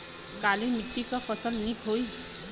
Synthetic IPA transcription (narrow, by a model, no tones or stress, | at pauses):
kalimit̪ːikʌpʰʌsʌlnikɦoj